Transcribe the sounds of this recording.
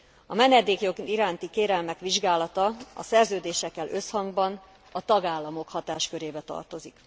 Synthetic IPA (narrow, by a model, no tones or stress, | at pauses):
ɒmɛnɛd̪eːkjoɡ̪iɾaːnt̪ikeːɾɛlmɛkʋiʒɡaːlɒt̪ɒɒ̰sɛrzøːd̪eːʃɛkːɛlʔø̞shɒŋɡbɒn | ɒt̪ɒɡaːlːɒmo̞khɒt̪aːʃkø̞ɾeːbɛt̪ɒ̰rt̪o̞zik